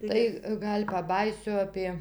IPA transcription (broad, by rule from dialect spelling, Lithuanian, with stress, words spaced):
ˈtɐɪ ˈɡɐlʲ pɐˈbɑːjiːsʲʊ ˈɑːpʲiɛ